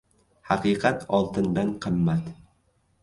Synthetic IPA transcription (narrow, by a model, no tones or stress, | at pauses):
haqɨːqʰat̪ʰɒlˠt̪ʰɪnd̪anqʰɨmːat̪